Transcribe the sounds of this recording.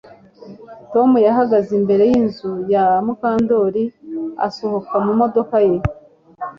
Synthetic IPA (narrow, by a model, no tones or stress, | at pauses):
to̞mujaɦaɡazimbe̞ɾe̞jinzujamukaːndo̞ːɾia̰so̞ho̞kamumo̞do̞kaje